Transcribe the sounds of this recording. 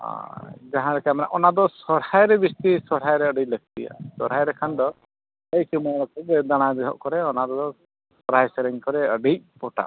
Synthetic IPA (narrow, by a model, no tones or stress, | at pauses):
a̰d͡ʒaɦãɾɛkamana̰ʔɔnad̪ɔsɔɾhajɾɛbist̪isɔɾɦajɾɛəɖijləɡ̚t̪ḭa̰sɔɾɦajɾɛkʰand̪ɔ | ejkimɔɾɔkʰɔd͡ʒɛd̪aɽ̃ad̪ɛɦɔ̰ʔkɔɾɛɔnad̪ɔd̪ɔ | sɔɾajsɛɾiŋkɔɾɛəɖij̚pɔʈa̰